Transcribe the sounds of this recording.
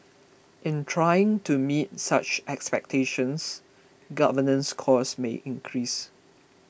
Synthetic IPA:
ʔɪ̃ntʰɹajɪ̃ŋtumit̚sat͡ʃɛkspɛk̚tʰeʃə̃ns | ɡavənə̃nskʰɔsmḛʔɪ̃ŋkʰɹis

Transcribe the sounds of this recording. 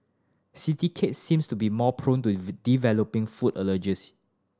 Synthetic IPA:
sitikʰetsĩmstubimɔpʰɹõntudivɛlopɪ̃ŋfudələd͡ʒə̃si̥

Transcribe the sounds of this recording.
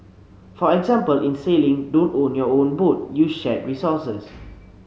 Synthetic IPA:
fɔɛɡzãmpəlĩnselĩŋdõntõnjɔõnbut̚juʃɛt̚ɹisɔsəs

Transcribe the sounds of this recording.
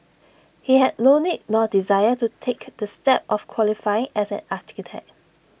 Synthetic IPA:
hiɦɛd̚nonidnɔdizajətutʰekdəstɛp̚ʔɔfkʰwɔlifajɪ̃ŋɛsɛ̰̃nati̥kitʰɛ̰k̚

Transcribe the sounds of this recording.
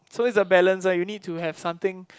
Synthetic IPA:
soɪsdəbɛlə̃ns̬ajunid̚tuhɛv̥sãmt̪ɪ̃ŋ

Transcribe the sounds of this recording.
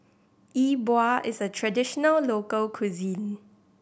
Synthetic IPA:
ʔibwaʔɪsətʰɹadɪʃɔnəllokəlkʰwuzĩn

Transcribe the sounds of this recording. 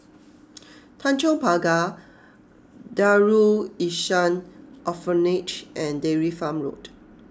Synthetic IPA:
tʰãnt͡ʃɔ̃paɡa | daɹuiʃãnɔfənit͡ʃʔɛ̃ndɛɹifãmɹo̰t

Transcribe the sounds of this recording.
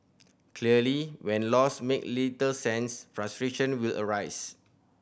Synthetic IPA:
kʰliəliwɛ̃nlɔsmek̚litəsɛ̃nsfɹastɹeʃə̃nwilʔə̰ɹaɪs

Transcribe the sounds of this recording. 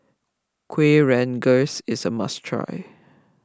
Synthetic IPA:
kʰwiɹɛ̃nɡosɪsəma̰stʰɹa̰ɪ

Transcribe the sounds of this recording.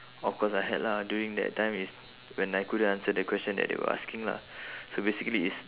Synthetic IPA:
ɔfkʰɔsajɦɛ̰tladjuɹĩŋdɛ̰tʰːãɪ̃mis | wɛ̃nːaɪkudəãnsədəkwɛst͡ʃə̃ndɛ̰ʔ̚dḛwə̰ʔa̰skĩŋla̰sobesikəliːts

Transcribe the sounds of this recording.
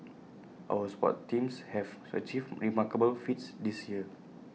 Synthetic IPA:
ʔa̰wəspɔ̰ttːĩmshɛvə̰t͡ʃifɹimakəbəlfit̚sdisjiə

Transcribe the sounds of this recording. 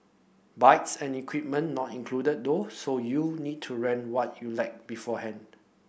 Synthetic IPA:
baɪtsɛ̃nikʰwip̚mə̃nːɔtĩŋkʰludət̚dosojunid̚tʰuɹɛ̃nwɔt̚ʰjulaɪk̚bifɔhɛ̃nd

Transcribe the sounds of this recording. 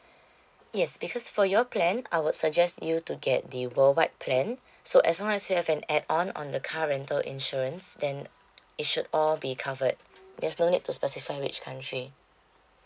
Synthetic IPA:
jɛsbikʰɔsfɔjɔpʰlɛ̃na̰ɪwud̥sək̚d͡ʒɛstjutuɡɛt̚dəwəlwaɪt̚pʰlɛ̃n | soʔɛslɔ̃ŋɛsjuhɛvɛ̃nɛdɔ̃nɔ̰̃ndəkʰaɹɛ̃ntəlʔḭ̃nʃɔɹə̃nsdɛ̃n | it̚ʃudɔlbikʰavəd̚ | dɛsnonid̚tːuspɛsifaɪwḭt͡ʃkʰãntʰɹi

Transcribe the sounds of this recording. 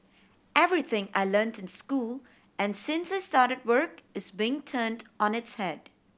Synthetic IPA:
ʔɛvɹiθɪ̃ŋa̰ɪlɜ̃ntɪ̃nskul | ʔɛ̃nsɪ̃nsaɪstaɾəd̚wə˞kɪzbiɪ̃ŋtʰə̃ːndɔ̃nɪtshɛd̥

